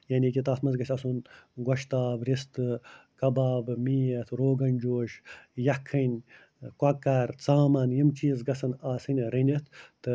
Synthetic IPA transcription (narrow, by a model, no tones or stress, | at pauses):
jɐnʲikʲit̪aːsmɐnzɡɐʃʲɐsunɡɐʃt̪aːbɾist̪ɨkɐbaːbmiːjɐt̪ʰɾoːɡɐnʲd͡ʒoːʃjɐkʰːɐnʲ | kʷɐkːɐɾt͡saːmɐnjimt͡ʃiːzɡɐsɐnaːsɨnʲɾinʲit̪ʰt̪ɨ